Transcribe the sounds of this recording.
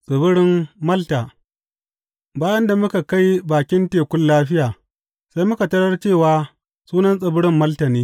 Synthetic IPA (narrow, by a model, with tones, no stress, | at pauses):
sʼɪ˨bʊ˦ɽɪ˦mːɐ˦lta˨ | baː˦jɐ˦nda˨mʊ˦ka˨ka˦jbaː˨kʲɪ˦nteː˨kʷʊ˦nːaː˦ɸɪ˦jaː˨ | sa˦jmʊ˦ka˨tɐ˦ɽɐ˦rt͡ʃeː˦˨waː˨ | suː˦nɐ˦nsʼɐ˨bʊ˦ɽɪ˦mːɐ˦ltɐ˨niː˦